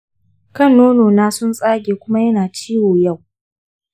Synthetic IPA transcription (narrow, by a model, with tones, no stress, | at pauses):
kɐ˦˨nːoː˦noː˨naː˦sʊ˦nsʼaː˦ɡʲeː˨kʷʊ˦ma˦jɐ˦naː˨t͡ʃiː˦woː˨ja˦˨w